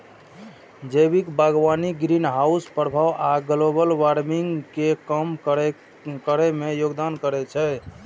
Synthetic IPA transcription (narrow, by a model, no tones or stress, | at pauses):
d͡ʒəjbikbaɡʋaniɡɾinɦauspɾəbʱaʋʔaɡlobəlwaɾmiŋɡkekəm | kəɾɛmejoɡd̪ankəɾɛt͡ʃʰɛ